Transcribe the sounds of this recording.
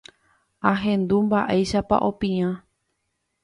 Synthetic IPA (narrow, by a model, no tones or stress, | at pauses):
ãɦẽ̞nd̪umbaʔejʃapa̰ʔo̞pĩã